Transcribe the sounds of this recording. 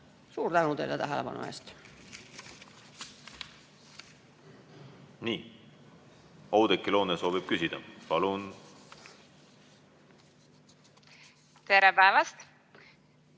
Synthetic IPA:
suːrt̪ænut̪ḛjlet̪æɦelepɑ̰nṵḛːst̪ | niː | ɑwd̪ekːilo̞ːneso̞ːvib̥̚kysid̪̥ɑ̰pɑlun | t̪eɾepæevɑst̪

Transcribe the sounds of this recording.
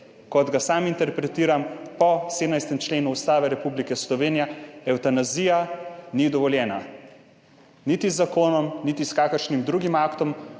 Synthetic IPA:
kɔd̪ɡasaːmint̪ɛɾpɾɛt̪iːɾampɔseːd̪najst̪ɛmt͡ʃleːnuust̪aːʋɛɾɛpublikɛslɔʋeːnijaɛwt̪anaziːjanid̪ɔʋɔljɛːna | nit̪izːakoːnɔmnit̪iskaːkəɾʃnimd̪ɾuɡimakt̪ɔm

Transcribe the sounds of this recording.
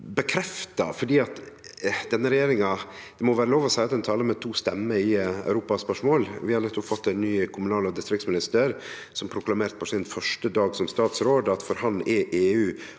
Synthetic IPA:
bəkʰɾɛft̪ɑfɔɖiːɑt̪d̪̥ɛnːəɾɛjeːɾɪŋɑd̪̥ɛmɔʋæːɾəloːʋɔsæɪɑt̪d̪ɛnt̪ʰɑːləmɛt̪ʰuːst̪ɛmːəɪæ̰ʉɾuːpɑspœʂmoːlʋɪhɑɾlɛt̪ːɔpfɔt̪ːɛnnyːkʰʊmʉnɑːlɔd̪ɪst̪ɾɪk̚t̪smɪnɪst̪əɾ | sɔmpʰɾʊklɑmeːɾt̪̚pʰɔsɪnfœʂʈəd̪ɑːɡsɔmst̪ɑːt̪sɾoːd̪ɑt̪fɔɾhɑnːɛʔeːʉː

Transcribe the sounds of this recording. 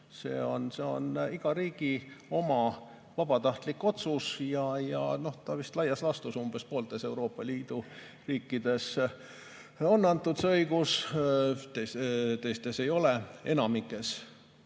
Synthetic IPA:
se̞̰ːo̞nse̞o̞̰niɡ̥ɑɾiːɡ̥io̞mɑ | vɑb̥ɑt̪ɑht̪likːˑo̞t̪susjɑjɑ̰no̞ht̪ɑvist̪lɑjɑslɑst̪usumb̥e̞spo̞ːlt̪e̞se̞uwɾo̞ːpːˑɑliːd̪̥u | riːkːid̪̥e̞s | o̞nːɑnt̪ːˑut̪sɤjɡus | t̪et̪ejst̪e̞se̞jo̞lee̞nɑmikːˑe̞s

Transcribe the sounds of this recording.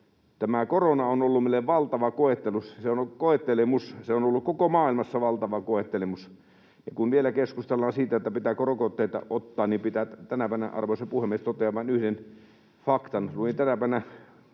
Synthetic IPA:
t̪æmækoronɑonolːumelːeʋʋɑlt̪ɑʋɑkoet̪ːelusseonokoet̪ːelemusseonolːukkokomɑːilmɑsːɑʋɑlt̪ɑʋɑkoet̪ːelemus | jɑkunʋielækeskust̪elːɑːnsiːt̪æet̪ːæpit̪æːkorokot̪ːeit̪ɑ̰ʔot̪ːɑːnnimpit̪æt̪ænæpæˑnæ̰ʔʔɑ̰rʋosepuhemːˑiest̪ot̪ːˑeɑʋɑˑnyhden | fɑkt̪ɑnluint̪ænæpæˑnæ

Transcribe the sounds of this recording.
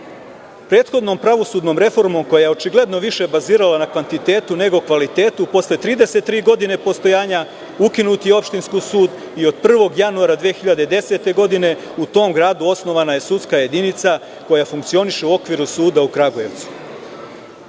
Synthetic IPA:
pɾe̞ːt̪xo̞d̪no̞mpɾaʋo̞sud̪no̞mɾe̞fo̞ɾmo̞mko̞jajeo̞t͡ʃiɡle̞d̪no̞ʋiʃe̞baziːɾalanakʋant̪it̪e̞ːt̪une̞ɡo̞kʋalit̪e̞ːt̪upo̞sle̞t̪ɾiːd̪e̞set̪ːɾiːɡo̞d̪ine̞po̞st̪o̞jaːɲa | ukinuːt̪ijeo̞pʃt̪inskosuːd̪ | io̞d̪̚pr̩ʋo̞ɡjanuaɾad̪ʋijexiʎad̪e̞id̪e̞se̞t̪e̞ɡo̞d̪ine̞ | ut̪o̞ːmɡɾaːd̪uo̞sno̞ʋanaje̞sut̪skaje̞d̪init̪sa | ko̞jafuŋkt̪sio̞niʃeuo̞kʋiɾusuːd̪aukɾaɡoje̞ʋt̪su̥

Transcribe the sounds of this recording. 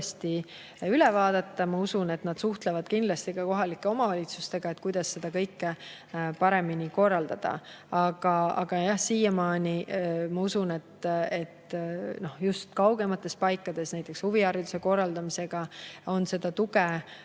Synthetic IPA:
st̪i | ylɛvɑːd̪̥ɑt̪ːɑmɑusune̞t̪nɑd̪̥suht̪levɑd̪̥kind̪lɑst̪ikɑko̞ɦɑlikːˑe̞o̞mɑvɑlʲit̪sust̪e̞ɡ̥ɑet̪kujd̪̥ɑsːe̞d̪̥ɑkɤjkːe | pɑɾe̞miniko̞rːɑld̪ɑd̪̥ɑ̰ | ɑɡ̥ɑɑ̰ɡ̥ɑjɑhsiːjɑmɑːnʲimɑusune̞t̪e̞t̪no̞hjust̪kɑwɡ̥e̞mɑt̪ːˑe̞spɑjkːˑɑd̪̥e̞snæjt̪ːˑe̞kshuviɑɾit̪u̥se̞ko̞rːɑld̪ɑmise̞ɡ̥ɑo̞nse̞d̪̥ɑt̪uɡe

